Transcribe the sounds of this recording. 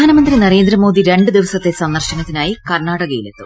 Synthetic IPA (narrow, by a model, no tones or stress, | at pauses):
aːnɐmɐnd̪rinɐɾe̞ːnd̪ɾrɐmo̞ːd̪iɾe̞ɳɖɨd̪iʋɐsɐt̪ːe̞sɐnːɐrɕɐnɐt̪ːinaːjikɐrɳaːɽɐɣɐjile̞̰t̪ːu